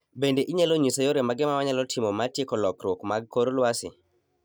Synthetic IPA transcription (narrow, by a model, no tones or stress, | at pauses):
bendeʔiɲaloɲisajoɾemaɡɪmawaɲalɔtʰɪmomatjekɔlɔkɾwokmaɡ̚koɾlwasɪ